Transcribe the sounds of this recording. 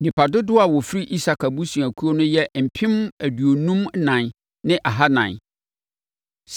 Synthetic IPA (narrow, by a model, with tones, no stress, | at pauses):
nĩ˨pa˨dʊ˦dʊ˦a˨wɔ˨fɪ˦ɾi˦ʔi˦sa˨kʰa˨bu˦sũ˨æ˨kʰu˦o˦nʊ̃˦jɛ˦m̩˨pʰĩ˦mæ˨du˨o˨nũ˦m˦nã˨n | nɪ̃˦ʔa˨ɦa˦nã̰˨n | s